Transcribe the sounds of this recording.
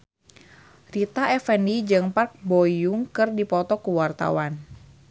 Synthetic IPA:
rit̪aɛfɛnid͡ʒɨŋpark̚bɔjuŋkɨrdipɔt̪ɔkuwart̪a̰wan

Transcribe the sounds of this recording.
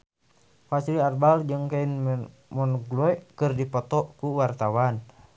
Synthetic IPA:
fasiliarbald͡ʒɨŋkain | mɔnɡlɔɛkɨrdipɔt̪ɔkuwart̪awan

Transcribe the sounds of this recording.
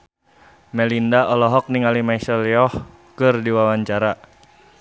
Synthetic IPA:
mɛlindaɔlɔɦɔk̚niŋalimaisɛljɔh | kɨrdiwawaɲt͡ʃaɾa

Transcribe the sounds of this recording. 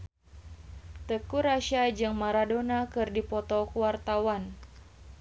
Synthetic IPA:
t̪əkuɾaʃad͡ʒɨŋmaɾadonakɨrdipɔt̪ɔkuwart̪awan

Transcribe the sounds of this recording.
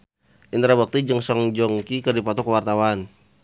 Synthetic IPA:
ʔint̪ɾabak̚t̪id͡ʒəŋsɔŋd͡ʒɔŋkikərdipɔt̪ɔkəwart̪awan

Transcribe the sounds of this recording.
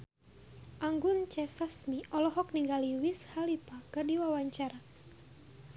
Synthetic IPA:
ʔaŋɡʊnt͡ʃɛsasmiʔɔlɔɦɔk̚niŋɡaliwishalipakɨrdiwawaɲt͡ʃaɾa

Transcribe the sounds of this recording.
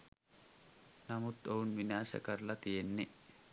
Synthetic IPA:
nɐmʊt̪ːɔʊnmɪnaːsɐ̰kɐɾlɐt̪ɪjɛnːɛ

